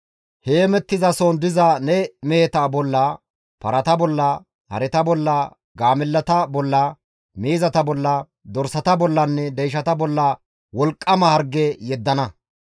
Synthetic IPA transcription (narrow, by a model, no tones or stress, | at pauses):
heːmɛt̪ːɪzɐsɔnd̪ɪzɐnɛmeːt̪aːbɔlːɐ | pɐ̰ɾʔɐt̪ɐbɔlːɐ | hɐ̰ɾɛt̪ɐbɔlːɐ | ɡaːmɪlːɐt̪ɐbɔlːɐ | meːzɐt̪ɐbɔlːɐ | d̪ɔɾsɐt̪ɐbɔlːɐnːɛd̪ɛjʃ̬ɐt̪ɐbɔlːɐ | wɔlkʼːɐmɐhɐɾɡɛjɛd̪ːɐnɐ